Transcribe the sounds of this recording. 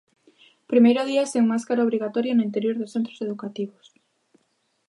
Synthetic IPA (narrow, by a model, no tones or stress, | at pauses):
pɾimejɾoðiaseuŋmaskaɾaoβ̞ɾiɣat̪ɔɾjanoint̪eɾjoɾðʊsθent̪ɾoseðukat̪iβos